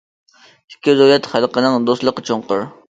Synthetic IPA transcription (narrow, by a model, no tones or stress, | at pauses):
i̥kʲːɪzojɛt̪χælˠqənɨŋd̪oslˠəqːt͡ʃʰoŋqʊ̰ɾ